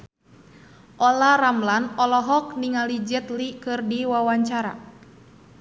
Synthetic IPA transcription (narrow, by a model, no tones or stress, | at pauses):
ʔɔlaramlanɔlɔɦɔk̚niŋalid͡ʒɛt̪likɨrdiwawaɲt͡ʃaɾa̰